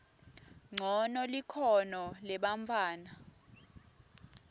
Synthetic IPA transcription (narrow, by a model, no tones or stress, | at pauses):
ŋ͡ǀʱɔnɔlikʰɔnɔlɛɓaɱfʰʼaːna